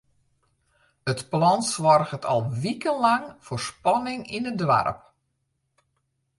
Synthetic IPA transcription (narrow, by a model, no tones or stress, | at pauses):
ətplɔnsʋɔrɣətʰɔ̰lˠʋikənlaŋfoːrspɔnɪŋinədʋa̰rə̰p̚